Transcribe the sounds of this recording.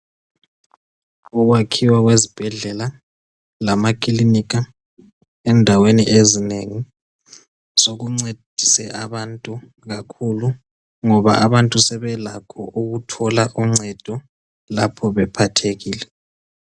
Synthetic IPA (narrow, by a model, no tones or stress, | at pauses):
uɣwakʰiwaɣwezib̥ʱɛɮɛla | lamakʰʼilinika | ɛndʱaweniʔezineŋi | soɣuŋ͡ǀed̥ʱisɛʔaβantʼu | ɣakʰulu | ŋɔβa̰ʔaβantʼusɛβɛlakʰɔʔuɣutʰɔlaʔuŋ͡ǀɛd̥ʱɔ | lapʰɔβɛpʰatʰeɣiːlɛ